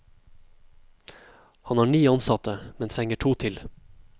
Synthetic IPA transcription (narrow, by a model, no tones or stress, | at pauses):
hɑnhɑːɳyːɑnsɑt̪əmɛnt̪ʰɾɛŋəʈʰuːt̪ʰɪl